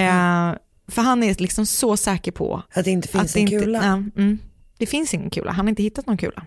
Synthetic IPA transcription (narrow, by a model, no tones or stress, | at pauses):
fœɾɦanːæɾlɪksɔmsɔsɛːkəɾpʰɔ̰at̪d̪ɛɪnt̪əfat̪sd̪ɛɪnʉlaːm̩ː | d̪̥ɛfɪnsɪŋːə̰nkʰʉ̟ːla̰ɦanhaɾɪnt̪əɪt̪ːat̪nɔŋkʰʉ̟ːla̰